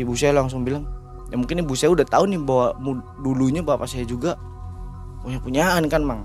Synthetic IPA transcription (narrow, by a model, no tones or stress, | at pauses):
ibusaalaŋs̬ʊŋbilaŋ | jaŋmuŋkɪnːɪbusaudaht̪aunɪbawamu | duluɲabawapasajad͡ʒuɡa | puɲapuɲaːnkanmaŋ